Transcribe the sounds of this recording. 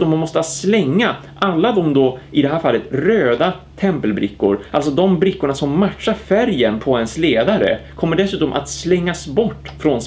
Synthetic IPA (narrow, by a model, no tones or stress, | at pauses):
ɔmːanmɔst̪əaslɛŋːa | ʔalːad̪ɔmd̪oɪd̪ɛɦæːɾfalːət̪ɾøːd̪a | t̪ʰɛmpəlbɾɪkːʊ̰ɾʔalsɔd̪ɔmbɾɪkːʊɳasɔmːaʈʂaɾfæɾjənpʰɔɛnsleːd̪aɾə̰kʰɔmːəɖɛsʉ̟ːt̪ɔmʔa̰t̪slɛŋːasbɔʈːfɾɔn